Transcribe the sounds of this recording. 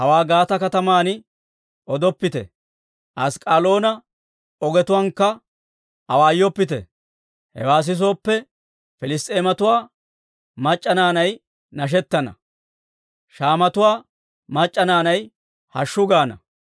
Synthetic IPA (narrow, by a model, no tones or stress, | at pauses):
hɐwaːɡaːt̪ɐkɐt̪ɐmaːnɪ | ɔd̪ɔpːɪt̪ɛ̰ | ʔɐskʼaːlo̞ːnɐ | ɔɡɛt̪ʊwɐŋkːɐ | ɐwaːjːɔpːɪt̪ɛ̰ | hɛ̰waːs̬ɪs̬o̞ːpːɛ | fɪlɪst̪ʼe̞ːmɐt̪ʊwaː | mɐt͡ʃʼːɐnaːnɐj | nɐʃ̬ɛt̪ːɐnɐ̰ | ʃaːmɐt̪ʊwaː | mɐt͡ʃʼːɐnaːnɐj | hɐʃːʊɡaːnɐ